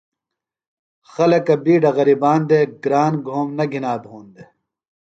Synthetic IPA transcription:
xɐlɐkɐbiːɖɐɣɐɾiːbaːnd̪eɡɾaːnɡʱoːmnɐɡʱinaːbʱoːnd̪e

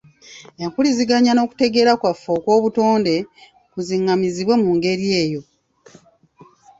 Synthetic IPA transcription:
e̞ŋkuliziɡaɲano̞ːku̥te̞ɡe̞ːɾakwafːo̞ːkwo̞ːβuto̞ːnde̞ | kuziŋːamiziβwamuŋɡe̞ɾie̞ːjo̞

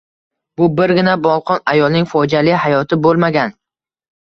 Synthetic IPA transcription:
bʊbɪɾɡʲɪnabɒlˠqʰɒnajɒlˠnɪŋʲfɒd͡ʒalɪhajɒt̪ʰɪbolˠmaɡʲan

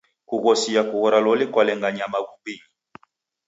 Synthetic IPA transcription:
kuɣɔsijakuɣɔɾalɔlikwalɛŋɡaɲamaɣumbi

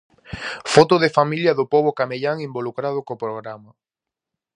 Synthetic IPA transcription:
fɔt̪ʊðefamiljɐðʊpɔβ̞okameʎaŋimbolukɾað̞ʊkopɾoɣ̞ɾamɐ

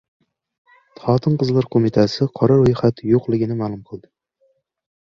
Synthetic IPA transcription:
t̪ʰɑːt̪ʰɨnqəzlˠɑɾqʰomɪt̪ʰæsɪqʰɒɾɑɾojχat̪joqlˠɪɡʲɪnɪmælˠʊmqʰɨlˠd̪ɪ

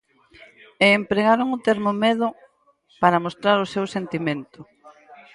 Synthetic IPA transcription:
eːmpɾeɣaɾoŋʊt̪eɾmomeðʊ | paɾɐmost̪ɾaɾʊsewsent̪imẽnt̪ʊ

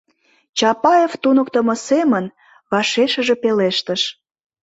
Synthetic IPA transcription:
t͡ɕɑpɑeft̪unə̆kt̪ə̆mɤ̆semən | βɑʃeʃə̆ʒepeleʃt̪əʃ

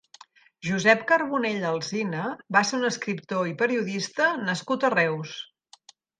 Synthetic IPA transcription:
ʒuzɛpkəɾβuneʎəlˠzinəbaseɾunəskɾip̚t̪oipəɾiuðist̪ənəskut̪ərɛws

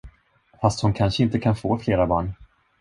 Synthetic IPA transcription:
fast̪hʊnkʰanʂəɪnt̪əkʰanfoːfleːɾabɑːɳ

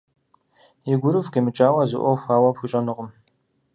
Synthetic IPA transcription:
iɡʷʊɾɨfkemɨt͡ʃʼaːwɐzɨ̰ʔʷɔwxʷaːwɐpxʷut͡ʃʼɐnɨqəm

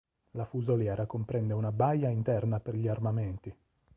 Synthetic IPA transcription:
lafuzoljɛːɾakompɾɛnd̪eunabajːaint̪ɛrnaperʎiarmamɛnt̪i

